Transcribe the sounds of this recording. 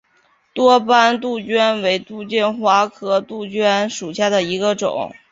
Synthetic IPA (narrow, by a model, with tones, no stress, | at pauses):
t̪wɔ˥pa˥nt̪u˥˩t͡ɕɥɛ˥nwe˧˥ɪt̪u˥˧t͡ɕjɛ˥˩nxwa˧˥kʰɤ˥t̪u˥˩t͡ɕɥɛ˥nʂu˨˩ɕja˥˩d̪ə˩i˧˥ɡə˧ʈ͡ʂʊ̰˨˩˦ŋ